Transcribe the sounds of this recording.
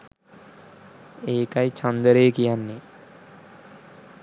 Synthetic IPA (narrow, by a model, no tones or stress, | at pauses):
eːkajit͡ʃɐnd̪əɾeːkijanːe